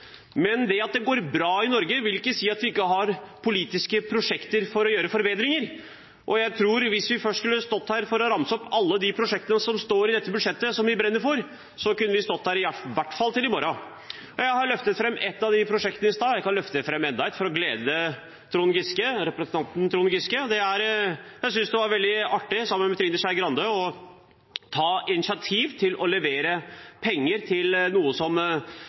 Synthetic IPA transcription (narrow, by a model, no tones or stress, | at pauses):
mɛnd̪ɛɑt̪̚d̪ɛɡoːɾbɾɑːɪnɔɾɡəʋɪlɪkːəsiːɑt̪ʋɪɪkːəɦɑɾpʰʊliːt̪ɪskəpʰɾʊʂɛkt̪əɾfɔɾɔjøːɾəfɔɾbeːd̪ɾɪŋəɾ | ʔɔjæɪt̪ʰɾuːɾʋɪsʋɪfœʂʈskʉlːəst̪ɔt̪ːhæːɾfɔɾɔɾɑmːsɔpɑlːəd̪ɪpʰɾʊʂɛk̚t̪ənəsɔmst̪oːɾɪd̪ɛt̪ːəbʉd̪ʂɛt̪ːəsɔmʋɪbɾɛnːəfoɾ | sɔkʉnːəʋɪst̪ɔt̪ːhæːɾɪʋæʈːfɑlt̪ɪlɪmɔɾɑ | ɔjæɪhɑɾlœft̪ət̪fɾɛmːɛt̪ːɑʋd̪ɪpʰɾʊʂɛk̚t̪ənəɪst̪ɑːjæɪkɑnlœft̪əfɾɛmːɛnd̪ɑɛt̪fɔɾɔɡleːd̪ə | t̪ʰɾʊnɡɪskəɾɛpɾɛsənʰɑnt̪n̩t̪ʰɾʊnɡɪskəd̪ɛæɾjæɪs̬ʏnsd̪ɛʋɑɾʋɛld̪ɪɑʈːɪsɑmːənmɛt̪ʰɾɪnəɕæɪɡɾɑnd̪əɔ | t̪ʰɑːɪnɪsɪɑt̪ʰiːʋt̪ʰɪlʔɔlɛʋeːɾəpʰɛŋːəɾt̪ʰɪlnuːəsɔm